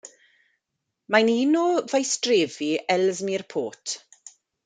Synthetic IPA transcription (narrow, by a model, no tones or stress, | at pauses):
maniːnovajstreːviʔɛlzmirpʰoːtʰ